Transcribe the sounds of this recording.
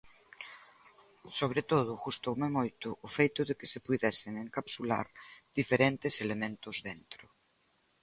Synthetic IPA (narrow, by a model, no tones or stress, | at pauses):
soβ̞ɾet̪oð̞ʊɣust̪owmemojt̪ʊʔːfejt̪ʊðekɪsepuðɛseŋeŋkapsula̰ɾð̥ifeɾent̪eselemẽnt̪ʊzðent̪ɾʊ